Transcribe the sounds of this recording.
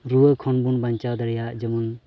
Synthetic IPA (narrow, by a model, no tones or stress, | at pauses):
ɾuəkʰɔnbunbant͡ʃad̪ɐɾjad͡ʒəmun